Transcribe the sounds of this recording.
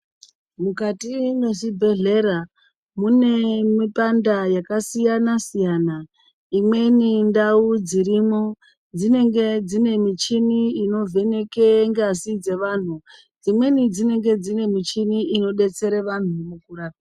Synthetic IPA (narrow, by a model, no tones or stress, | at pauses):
mukatine̞sibʱe̞ɮe̞ɾa | mune̞mipandajakasijanasijaːna | imwe̞nindaud͡ziɾimo̞ | d͡zine̞ŋɡe̞d͡zine̞mit͡ʃiniino̞vʱe̞ne̞keŋɡeasid͡ze̞ʋan̤u | d͡zimwe̞nid͡zine̞ŋɡe̞d͡zine̞mit͡ʃiniino̞ɗe̞t͡se̞ɾeʋan̤umukuraːka